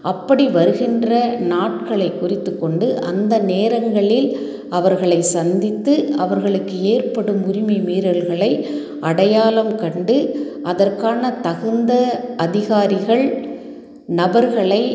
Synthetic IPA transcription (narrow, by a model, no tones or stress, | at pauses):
ʔɐpːɐɽiʋɐɾɯɣɪndrɐnaːʈkɐɭɐɪkːʊrɪt̪ːɯkːɔɳɖɯʔɐnd̪ɐneːɾɐŋɡɐɭɪl | ɐʋɐɾɣɐɭɐɪsɐnd̪ɪt̪ːɯɐʋɐɾɣɐɭɯkːɯeːrpɐɽɯmʊɾɪmɐɪmiːɾɐlɣɐɭɐɪ | ʔɐɽɐjaːlɐmkɐɳɖɯ | ʔɐðɐrkaːnɐt̪ɐɣɯnd̪ɐʔɐðɪɣaːɾɪɣɐɭ | nɐbɐɾɣɐɭɐɪ